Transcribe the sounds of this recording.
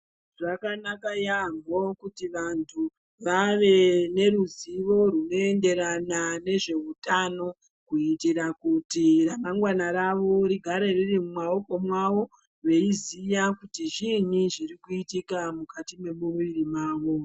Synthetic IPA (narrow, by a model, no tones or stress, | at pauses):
ʐakanakajaŋo̞kutiʋantʰu | ʋaʋe̞ne̞ɾuziʋo̞runo̞e̞nde̞ɾanane̞ʐe̞utano̞ | kuitiɾakutiramaŋɡwanaɾaʋo̞ɾiɡʱaɾe̞ririmumao̞ko̞mwaʋo̞ | ʋe̞izijakutiʐin̤iʐirikuitikamukatime̞muruiɾimaːʋo̞